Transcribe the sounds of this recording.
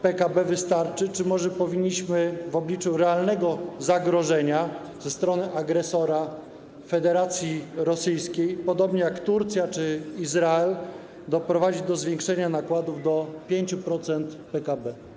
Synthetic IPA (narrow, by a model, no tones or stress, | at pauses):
pɛkabɛvɘst̪aɾt͡ʂɘt͡ʂɘmɔʐɛpɔvʲiɲːiɕmɘvɔblʲit͡ʂuɾɛalnɛɡɔzaɡɾɔʐɛɲa | z̥ɛst̪ɾɔnɘʔaɡɾɛsɔɾa | fɛd̪ɛɾat̪sʲjiɾɔsɘjskʲejpɔd̪ɔbɲɛjakt̪uɾt̪sʲjat͡ʂɘizɾaɛl | d̪ɔpɾɔvad͡ʑid͡ʑd̪ɔzvʲjeŋkʂɛɲanakwad̪uvd̪ɔpʲjeɲt͡ɕupɾɔt̪sɛnt̪pɛkabɛ